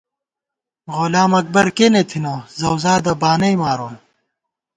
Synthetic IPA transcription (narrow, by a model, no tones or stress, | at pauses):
ɣolaːmɐk̚bɐɾkeːnet̪ʰinɐzɐwzaːd̪ɐbaːnɐjmaːɾoːn